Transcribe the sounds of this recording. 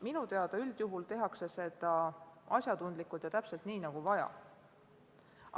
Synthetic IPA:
minut̪e̞ɑd̪ɑyld̪̥juɦult̪e̞ɦɑkse̞se̞d̪ɑɑ̰sjɑd̪t̪und̪likːˑult̪jɑt̪æpse̞lt̪niːnɑɡ̥uvɑjɑ̰

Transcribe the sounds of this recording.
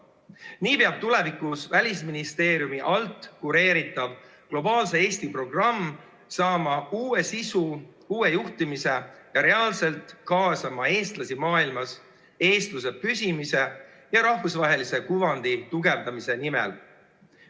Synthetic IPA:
niːpeɑb̥̚t̪ule̞vikusvælʲisminist̪e̞ːɾijumiʔɑlt̪ˑːkuɾe̞ːɾit̪ˑːɑb̥ | klo̞bɑːlse̞eːst̪ipro̞ɡ̥rɑmː | sɑːmɑuːe̞sisu | uːe̞juht̪imise̞jɑɾe̞ɑːlse̞lt̪kɑːsɑmɑe̞ːst̪lɑsimɑːilmɑs | e̞ːst̪luse̞pysʲimise̞ | jɑɾɑhvusvɑɦe̞lise̞kuvɑnd̪̥it̪uɡe̞vd̪ɑmise̞nimɛ̰l

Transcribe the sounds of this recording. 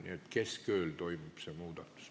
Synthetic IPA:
nḭet̪keskøːlt̪oimipsemuːt̪ɑt̪ːu̥s

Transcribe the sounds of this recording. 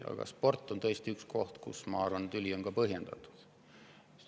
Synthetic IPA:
ɑ̰ɡ̥ɑ̰spo̞rt̪ːˑo̞nt̪ɤest̪iyksko̞ht̪kṵsmɑɑrvɑnut̪ylʲio̞nɡɑpɤɦje̞nd̪̥ɑt̪ːˑu̥d̪̥

